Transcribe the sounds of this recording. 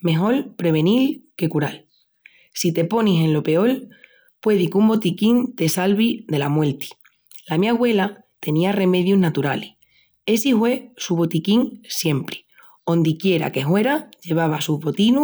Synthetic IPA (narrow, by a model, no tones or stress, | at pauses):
me̞ɦo̞lpɾe̞β̞e̞nilke̞kuɾal | sit̪e̞po̞nise̞nlo̞pe̞o̞l | pwe̞ðikumbo̞t̪ikint̪e̞salβiðe̞lamwe̞lt̪i̥ | lamiaɣwe̞la | t̪e̞niare̞me̞ðjuɦnat̪uɾali | e̞sihwe̞suβo̞t̪ikiŋsje̞mpɾe̥ | õ̞nd̪ikje̞ɾa̰ke̞ɦwe̞ɾaʝe̞β̞aβ̞asuɦβo̞t̪inu